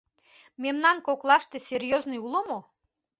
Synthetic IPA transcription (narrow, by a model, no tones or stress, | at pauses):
memnɑnkoklˠɑʃt̪esʲerʲjoznɨjulomo